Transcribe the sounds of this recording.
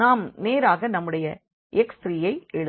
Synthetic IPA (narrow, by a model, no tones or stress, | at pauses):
naːmneːɾaːɣɐnɐmːɯɽɐjɐ | ʔɛksɾijɐɪɛɻɯ